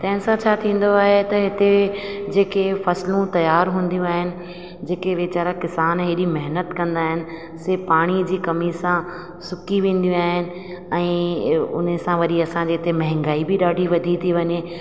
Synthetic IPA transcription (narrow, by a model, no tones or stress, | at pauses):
t̪ɐ̃ɦɪ̃nɪsãt͡ɕʰaːt̪ʰĩːn̆d̪oaːɦet̪ɐɦɪt̪ed͡ʑeːkefɐslũt̪ɐjaːɾɦũːn̆d̪jũaːɦɪnɪ̆ | d͡ʑeːkeʋeːt͡ɕaːɾakɪsaːnɦeɗimɐɦnət̪kɐ̃nd̪aːɦɪnɪ̆ | sepaːɽ̃id͡ʑiːkɐmisã | sʊkiʋẽːn̆d̪ijũaːɦɪnɪ̆ | ɛ̃ːʊ̰n̤sãʋɐɗiɐsãd͡ʑiːɦɪt̪emɐ̃ɦɪ̃ŋɡaːibɪɗaːɖʱiʋɐd̪ʱit̪ʰiʋɐɲe